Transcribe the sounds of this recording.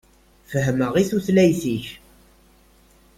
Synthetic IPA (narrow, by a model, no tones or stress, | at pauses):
fəɦəməʁiθuθlæjθiç